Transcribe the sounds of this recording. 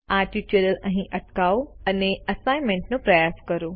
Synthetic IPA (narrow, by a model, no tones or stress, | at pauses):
aɾʈit͡ʃəɾələ̃ɦĩʔɐʈkauɐneɐsajmẽɳʈnũpɾɐjaskəɾo